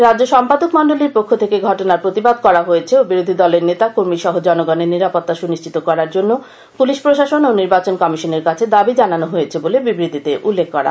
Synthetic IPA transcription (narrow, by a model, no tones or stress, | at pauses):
ɾadd͡ʑoʃɔmpad̪okmɔnɖoliɾpokʰːot̪ʰekeɡʱɔʈonaɾpɾot̪ibad̪̚kɔɾaɦojet͡ɕʰeobiɾod̪ʱid̪ɔleɾnet̪akoɾmiʃɔɦod͡ʑɔnoɡaneɾniɾapot̪ːaʃuniʃt͡ɕʰit̪okɔɾaɾd͡ʑonːo | puliʃpɾoʃaʃononiɾbat͡ɕonkɔmiʃoneɾkat͡ɕʰed̪abid͡ʑananoɦojet͡ɕʰebolebibɾit̪it̪eʔulːekʰːɔɾa̰